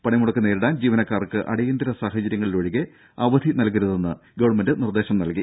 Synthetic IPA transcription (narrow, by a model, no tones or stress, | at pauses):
pɐɳɐjmuɽɐkːɨne̞ːɾuɽaːnd͡ʑiːʋɐnɐkːaːrkːɨʔɐ̰ɽɐjend̪ɐɾɐsaːxɐt͡ɕɐɾjɐŋːɐɭilʋɐɻiɣe | ɐʋɐd̪ʱinɐlk̬iɾuðenːɨɡɐʋɐɳmendɨnird̪e̞ːɕɐmnɐlki